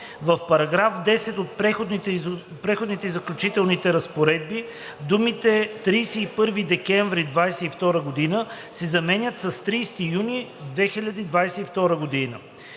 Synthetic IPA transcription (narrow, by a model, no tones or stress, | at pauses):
vəfpɐɾɐɡɾafd̪ɛsɛt̪ot̪̚pɛxod̪ | pɾɛxod̪nit̪ɛizɐklʲut͡ʃit̪ɛlˠnit̪ɛɾɐspoɾɛd̪̚bi | d̪umit̪ɛt̪ɾijsɛipɤɾvid̪ɛkɛɱvɾid̪vajsɛift̪ɔɾəɡod̪inə | sɛzɐmɛnʲət̪sɐst̪ɾiːst̪ijunid̪vɛxiʎʲɐd̪iid̪vajsɛift̪ɔɾəɡod̪inə̰